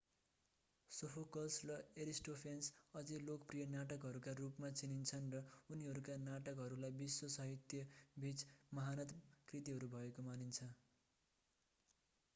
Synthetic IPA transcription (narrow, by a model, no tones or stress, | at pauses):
sopʰokʌlsrʌeɾisʈopʰensʌd͡zilokʌprijʌnaʈʌkɦʌɾukarupmat͡sinint͡sʰʌnrʌuniɦʌɾukanaʈʌkɦʌɾulajbisːosʌɦit̪jʌbʱit͡smʌɦanʌt̪krit̪iɦʌɾubʱʌekomanint͡sʰʌ